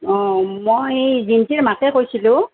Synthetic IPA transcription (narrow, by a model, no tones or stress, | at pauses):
ɔ̃mojjezintiɹmakɛkojsilʊ̃